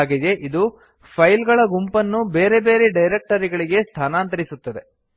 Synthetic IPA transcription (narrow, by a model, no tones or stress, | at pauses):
ɡijeʔid̪u | pʰɐjlɡɐɭɐɡumpɐnːubeːɾe̞be̞ːɾeɖɐjɾek̚ʈɐɾiɡɐɭiɡe̞st̪ʰaːnaːnt̪ɐɾisut̪ːɐd̪e̞